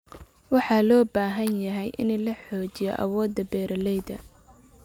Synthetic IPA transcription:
wɑħɑːlɔːbaːɦɐnjɐɦɛjʔɪ̰nlɐħɔːt͡ʃɪjɔ̰ʔɐ̰wɔːd̪ːɐbɛːɾɐlɛjd̪ɐ

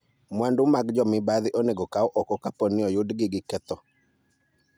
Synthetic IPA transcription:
mwandʊmaɡd͡ʒɔmɪbaðɪʔoneɡɔkaɔʔɔkɔkaponɪɔjʊdɡɪɡɪkɛt̪ɔ

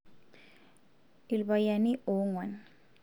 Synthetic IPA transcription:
ilbajanioŋwan

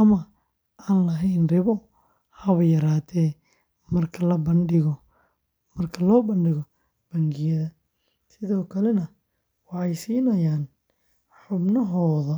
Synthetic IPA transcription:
ʔɐmɐ | ʔaːnlɐɦɛjnrɪβɔ | hɐβɐjɐɾaːt̪ʰɛː | mɐrkʰɐlɐbɐnɖɪɣɔ | mɐrkʰɐlɔːbɐnɖɪɣɔ | b̥ɐŋɡɪjɐðɐ | sɪðɔːkʰɐlɛnɐ | wɑħɑjsiːnɐjaːn | ħʊbnɐɦɔːðɐ

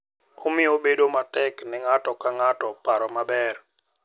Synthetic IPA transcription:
omɪɔbedomatɛknɛŋatɔkaŋatɔpaɾɔmabɛr

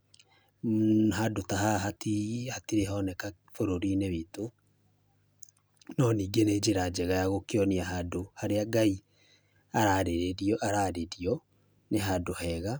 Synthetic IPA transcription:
ɦadotaɦaɦatihatiɾeɦɔnɛka | foɾoɾineβito | nɔniːɡened͡ʒeɾad͡ʒɛɣajaɣokeɔniaɦadohaɾeaɡai | aɾaɾeɾeɾiɔʔaɾaːɾeɾiɔ | neɦadohɛːɣa

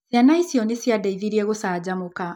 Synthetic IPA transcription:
janaisiɔnisiadaiðiɾiɛɣusaːd͡ʑamuka

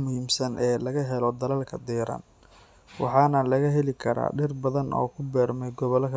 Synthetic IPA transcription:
mʊhiːmsɐnʔɛːlɐɣɐɦɛlɔd̪ɐlɐlkʰɐd̪ɛːɾɐ̰n | wɑ̰ħɑːnɐlɐɣɐɦɛlɪkʰɐɾa̰ːɖɪrbɐðɐnʔɔ̰ːkʰʊbɛːrmɛjɡɔβɔlɐkʰɐ

